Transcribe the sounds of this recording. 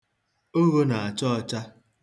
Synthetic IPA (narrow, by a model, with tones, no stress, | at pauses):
o˦ɣo˦na˨a˨t͡ʃɔ˦˨t͡ʃa˦